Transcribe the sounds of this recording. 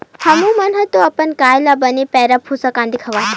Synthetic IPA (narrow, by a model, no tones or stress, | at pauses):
hɐmũmɐnɦɐt̪oɐpənkaːjlabənepɛɾapʰusakãnd̪ikʰəʋaɦ